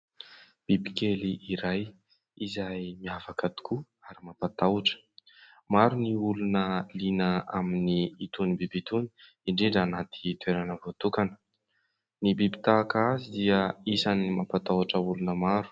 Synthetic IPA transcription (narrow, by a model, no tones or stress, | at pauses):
b̥ibikeliʔiɾaj | izajmiafakat̪i̥ku | aɾimapat̪auʈ͡ʂə̥ | maɾuniulunəlinəaminiːt̪unibibit̪uni̥ | iɳɖ͡ʐiɳɖ͡ʐanat̪i̥t̪weɾanəvot̪ukanə̥ | nibibi̥t̪aːkazid̪iəisanimapat̪awʈ͡ʂəulunəmaɾu̥